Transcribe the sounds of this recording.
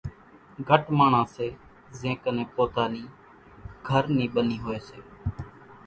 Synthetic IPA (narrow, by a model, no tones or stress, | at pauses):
ɡʱəʈmaːɳãːseː | zẽːkənẽːpoːt̪aːniː | ɡʱəɾniːɓəniːɦoːeːseː